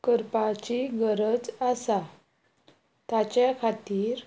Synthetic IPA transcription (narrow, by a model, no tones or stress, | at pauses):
kəɾpat͡ɕiɡəɾəd͡zasa | t̪at͡ɕjakʰat̪iːɾ